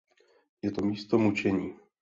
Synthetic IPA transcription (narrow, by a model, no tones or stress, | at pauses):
jɛt̪o̞miːst̪o̞mut͡ʃɛɲiː